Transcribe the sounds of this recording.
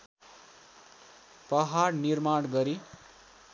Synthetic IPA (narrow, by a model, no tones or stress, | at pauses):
pʌɦarnirmaɽɡʌɾi